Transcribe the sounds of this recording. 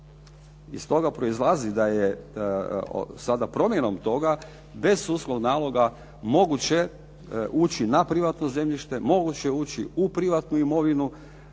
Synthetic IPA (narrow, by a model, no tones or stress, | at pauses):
ḭst̪o̞ɡapɾo̞izlˠazid̪ajḛ | sad̪apɾo̞mje̞no̞mt̪o̞ɡa | be̞zuslˠoɡnaːlˠo̞ɡa | mo̞ɡut͡ɕe̞ | uːt͡ɕinapɾiʋat̪no̞ze̞mʎiʃt̪e̞mo̞ɡut͡ɕe̞uːt͡ɕḭupɾiʋat̪nuimo̞ʋinu